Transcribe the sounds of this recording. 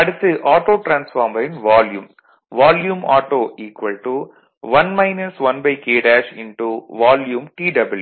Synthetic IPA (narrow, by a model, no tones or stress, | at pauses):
ɐɽɯt̪ːɯʔaːʈoːʈɾãːnsfaːɾmɐɾɪnʋaːljṵːm | ʋaːljuːmaːʈoːʔiːkʋɐlʈu | ʋɐnmɐɪnɐsʋɐnbɐɪkeːɖaːʃɪnʈuʋaːljuːmʈiːɖɐbɐlju